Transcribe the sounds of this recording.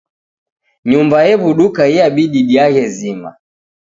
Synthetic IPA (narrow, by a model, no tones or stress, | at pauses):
ɲumbajɛβuɗukaiaɓiɗiɗiaɣɛzima̰